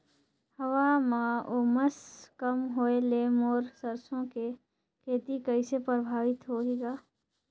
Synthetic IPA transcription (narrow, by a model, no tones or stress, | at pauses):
hɐʋaːmãoməskɐmɦoeleːmɔːɾsəɾsõke | kʰeːt̪ikəisepɾəbʱaːʋɪt̪ɦoːɦiɡaː